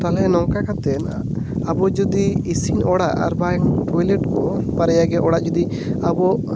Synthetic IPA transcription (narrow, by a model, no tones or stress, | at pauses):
t̪alɛnɔŋkakat̪ɛn | abɔd͡ʒɔd̪iːsinɔɽaʔa̰ɾbaŋʈɔjlɛʈkɔpaɾɛjaɡɛʔɔɽaʔd͡ʒɔd̪i | abɔʔ